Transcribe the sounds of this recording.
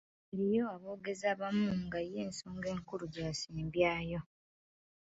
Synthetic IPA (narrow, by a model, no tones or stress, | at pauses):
eɾijo̞aβo̞ːɡe̞zaːβamuŋɡaje̞ːnsoːŋɡe̞ːŋkuɾuɟaːsiːmbjaːjo̞